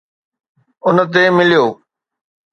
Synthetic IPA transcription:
ʊnə̆t̪̬emɪlijoː

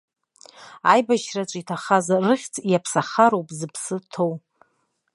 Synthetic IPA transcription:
ajbaʃrat͡ʃʷʼitʰaχazarɨχʲt͡sʰʼjapʰsaχaɾowpʼzɨpʰsɨtʰow

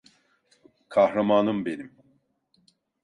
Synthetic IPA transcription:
kʰahɾamaːnɯmbe̞nim

